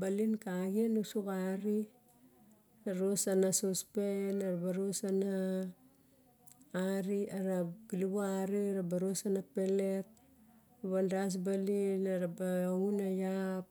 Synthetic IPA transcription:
balinkaɡianusukaɾi | aɾosanasospenaɾabaɾosana | ɾiaɾaɡiliβuaɾiɾabaɾosanape̞le̞t̚ | aβandas̬balinaɾabaunajap̚

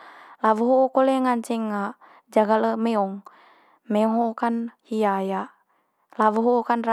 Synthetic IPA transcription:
lawuɦokoleŋaɲt͡ʃɛŋa | d͡ʒaɡaləmɛɔŋ | mɛɦokanhijajaʔ | lawuɦokanra

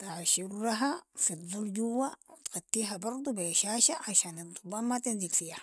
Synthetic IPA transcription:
t̪aʕʃiɾːaɦafidˤulɟuwːawit̪ɡat̪ːiːɦabɑɾˤd̪ˤubeʃaːʃaʕaʃaːnid̪ˤubaːmmat̪inziɡfijha

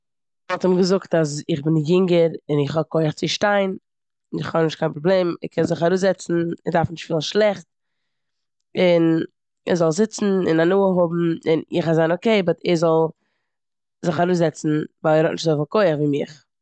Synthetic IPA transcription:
vɔlˠtɔmɡəzʊktas̬ɪχbɪnjɪŋɡəɾɪnɪχhɔkʰoɪəχt͡sɪʃtaɪn | nɪχhɔbnɪʃtkʰaɪnpɾoblˠeːmɪ̰kʰɛnzɪχaɾuːzɛt͡sn̩ɪdaɾfnɪʃtfiːlˠʃlˠɛχt̚ | ɪn | ɛɾzɔlˠzɪt͡sn̩ɪ̰nanuːəɦʊbm̩ɪnɪχazaɪnokeɪbɪtɛɾzɔlˠ | zɪχaɾuːzɛt͡sn̩vaɪlˠɛɾɔtnɪʃtzofɪlˠkoɪəχviːmɪχ

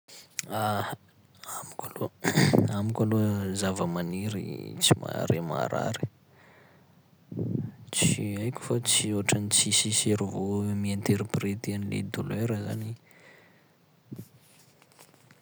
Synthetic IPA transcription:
a | amikʲaloamikʲalozavəmaniɾḭt͡sima̰ɾema̰ɾa̰ɾi̥ | t͡siajkʲu̥fat͡sioaʈ͡ʂanit͡sisiseɾivomient̪eɾipret̪ianilḛd̪uleɾəza̰ni

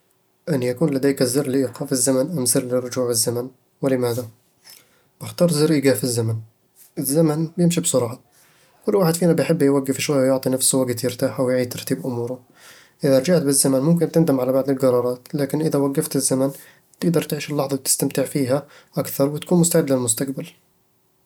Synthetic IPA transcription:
ʔənjækunlæd̪æjkæzərləʔiqɑfəzːæmænʔəmzəɾləɾˤod͡ʒuʕəzːæmæn | wləmæd̪a | b̥əxt̪ɑɾˤzəɾʔiɡæfəzːæmæn | əzːæmənbjəmʃibsʊɾˤɑʕɑ | kʊlːwaħəd̪finæbəjħəbːjwæɡːəfʃwæjːjoʕt̪ˤinəfswæɡət̪jəɾt̪aħawjʕid̪̚t̪ɑɾˤt̪iːbʔʊmuɾʊ | ʔəðæɾˤd͡ʒaʕt̪bəzːæmænmʊmk̬ɪnt̪ənd̪əmʕalabaʕd̪əlɡɑɾˤɑɾˤɑt̪lækɪnʔəðæwaɡːəft̪əzːæmæn | t̪əɡd̪ɑɾˤt̪ʕiʃəlːɑħðˤɑw̚t̪ə̥st̪amt̪əʕfiɦæ | ʔakθɑɾˤwət̪kuːnmʊst̪aʕəd̪ːləlmʊst̪aqbal

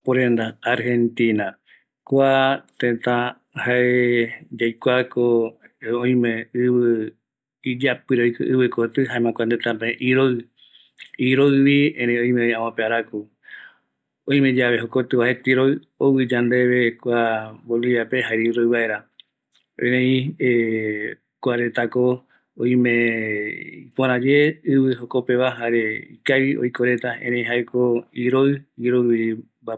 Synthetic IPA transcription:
poɾend̪aaɾhẽ̞nt̪ĩna | kʷat̪ẽt̪ã | haed͡ʒajkʷakoõĩmẽɨβɨ | id͡ʒapɨɾeojkɨ̰ʔɨβɨkot̪ɨɦaẽmãkʷant̪ẽt̪ãpẽʔiɾoɨ | iɾoɨβiẽɾẽõĩmẽoãwãpeaɾaku | õj̃mẽ̞d͡ʒaβe̞ɦokot̪ɨβaɦet̪iɾoɨ | oβɨd͡ʒand̪e̞βe̞kʷabolijapeɦaeɾiɾoɨβae̞ɾa | ẽɾẽĩe | kʷaɾe̞t̪ako̞ | õĩmẽ | ipoɾ̃ãd͡ʒe̞ɨβɨhokope̞βaɦaɾeḭkaβio̰jkoɾe̞t̪aḛ̃ɾẽĩɦaekʰoiɾoɨiɾoɨβi | ba

